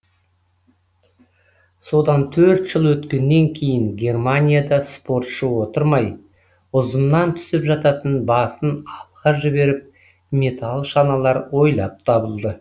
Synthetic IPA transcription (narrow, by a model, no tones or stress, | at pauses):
so̞d̪ɑnt̪ʰɵɾt̪ʒ̥əlˠwɵt̪kʲe̞nːe̞ŋkʲʰe̞jɪŋɡʲe̞rmanʲijad̪ɑspo̞rt̪ʃəwo̞t̪əɾmɑj | ʊzəmnɑnt̪ʰʏ̥sɪpʒɑt̪ɑt̪ənbɑsənɑlˠʁɑʒɪbe̞ɾɪp̚ | mʲe̞t̪ʰalˠʃɑnɑlˠɑɾwo̞jlˠɑp̚t̪ʰɑbəlˠd̪ə